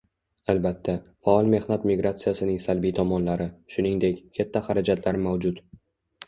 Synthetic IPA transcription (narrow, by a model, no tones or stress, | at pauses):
albat̪ʰːafaɒlˠme̞hnat̪miɡɾat̪sijasɪnɪŋsalbijt̪ʰɒmɒnlaɾɪʃʊnɪŋd̪e̞kʲkʲʰat̪ʰːaχaɾad͡ʒat̪ʰlaɾmawd͡ʒʊt̪